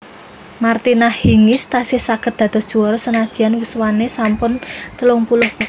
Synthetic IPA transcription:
mart̪inahhiŋɪst̪asɪhsaɡ̥ət̪̚d̪̥ä̤t̪ɔ̤sd̥ʒ̥uɔɾɔsənad̥d͡ʒʒ̥i̤anwuswanesampʊnt̪əlʊŋpulʊhpu

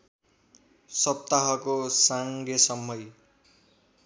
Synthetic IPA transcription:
sʌp̚t̪aɦʌkosaŋɡʌsʌmːʌj

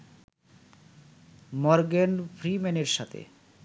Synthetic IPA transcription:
mɔɾɡenfʰɾimɛneɾʃat̪ʰḛ

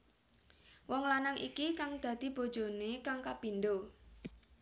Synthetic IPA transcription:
wɔŋlanaŋʔikikaŋd̪̥ä̤d̪̥i̤b̥o̤d̥ʒ̥o̤nekaŋkapind̪o

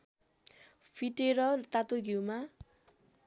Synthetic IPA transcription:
pʰiʈeɾʌt̪at̪oɡʱiwma

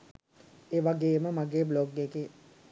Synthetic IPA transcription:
eːʋaɡeːməmaɡeːbloɡeke

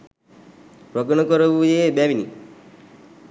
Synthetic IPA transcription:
pɾoɡnɔkɔɾoʋujeːbæʋinḭ

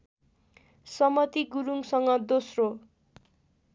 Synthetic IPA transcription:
sʌmʌt̪iɡuɾuŋsʌŋɡʌd̪osro

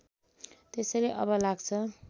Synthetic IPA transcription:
t̪esʌjleʔʌ̰bʌlaɡt͡sʰʌ

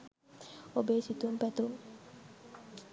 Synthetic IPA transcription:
obeːsit̪uumpæt̪uuŋ

